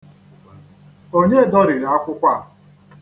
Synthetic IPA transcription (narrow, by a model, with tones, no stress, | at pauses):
o˦ɲe˦˨dɔ˦ɾɪ˨ɾa˦kʷʊ˦kʷa˦˨